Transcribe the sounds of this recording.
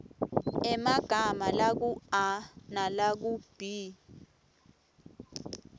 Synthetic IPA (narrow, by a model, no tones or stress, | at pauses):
ɛmaɡ̥ʱamalak̬uanalak̬ub̥ʱi